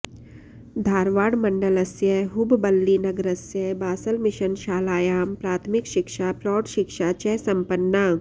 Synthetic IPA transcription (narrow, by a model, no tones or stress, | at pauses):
d̪ʱaːɾʋaːɽmɐɳɖəlɐsjɐɦɦʊbbɐlːiːnɐɡɾɐsjɐbaːsəlmɪʃənʃaːlaːjaːmpɾaːt̪ʰmɪkʃɪkʃapɾɔːʈʃɪkʃaːt͡ʃɛːsɐmpənːaː